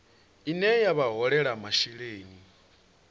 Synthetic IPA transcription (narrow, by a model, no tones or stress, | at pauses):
inɛjaβaɦɔɺɛɺamaʃiɺeːni